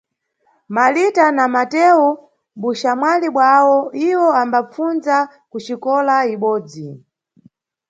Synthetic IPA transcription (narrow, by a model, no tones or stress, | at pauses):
malitanamatɛwu | ɓuʃamwaliɓwawɔiwɔambap͡funza | kut͡ʃikɔlaiɓɔːd͡zi